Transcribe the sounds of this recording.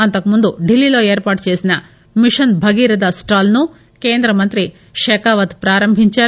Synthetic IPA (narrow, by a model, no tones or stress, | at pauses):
ɐnt̪ɐkːɐmund̪uɖilːiloːeːɾpaːʈt͡ʃeːsinɐ | miʂɐnbʱɐɡiɾɐd̪ɐsʈaːlnu | keːnd̪ɾɐmɐnt̪ɾi | ʃekaːʋɐt̪pɾaːɾɐmbʱiɲt͡ʃa